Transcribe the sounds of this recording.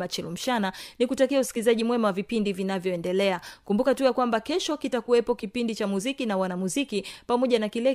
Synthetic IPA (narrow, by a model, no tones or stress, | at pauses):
mat͡ʃɛlum̩ʃananikutakiausi̥kilizaʄimwɛmawavipindivinavjɔɛndɛlɛakumbukatujakwambakɛʃɔkitakuwɛpɔkipindit͡ʃamuzikinawanamuzikipamɔʄanakilɛ